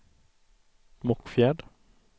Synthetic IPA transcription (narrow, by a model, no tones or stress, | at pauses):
mɔkfjɛɖ